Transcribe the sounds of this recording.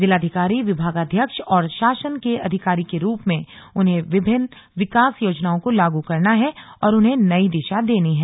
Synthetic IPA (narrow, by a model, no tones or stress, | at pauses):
d͡ʒɪlaːd̪ʱɪkaːɾiʋɪbʱaːɡad̪ʱjəkʃɔːɾʃaːʃənkeɐd̪ʱɪkaːɾikeɾuːpmẽʊnɦẽʋɪbʱɪn | ʋɪkaːsjoːd͡ʒnaːõkolaːɡukɐɾnaɦɛɔːɾʊnɦenɐid̪ɪʃad̪eːniɦɛː